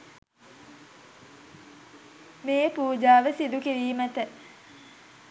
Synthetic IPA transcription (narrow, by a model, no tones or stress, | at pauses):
meːpuːd͡ʒaːʋəsid̪ukeʋiːmət̪ə